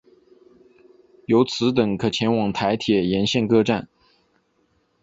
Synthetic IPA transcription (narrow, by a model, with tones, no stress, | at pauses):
jo˧˥ʊt͡sʰɹ̩˧˥t̪̬ɤ˨˩ŋkʰɤ˨˩t͡ɕʰjɛ˧˥nwɑ˨˩ŋt̪ʰa˧˥ɪt̪ʰjɛ˨˩jɛ˧˥nɕjɛ˥˧nkɤ˥˧ʈ͡ʂa̰˥˩n